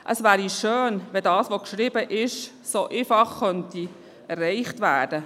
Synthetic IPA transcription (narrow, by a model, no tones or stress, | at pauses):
ʔəsʋæːɾiʃøːnʋɛdɑːsʋokʃɾɪbəʔɪʃ | soʔefɑχkœnti | ɛrːɛɪχtʋæːd̥ə